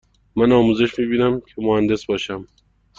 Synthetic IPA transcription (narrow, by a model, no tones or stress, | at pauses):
mænɒːmuze̞ʃmiːbiːnæmcʰemohænd̪e̞sbɒːʃæm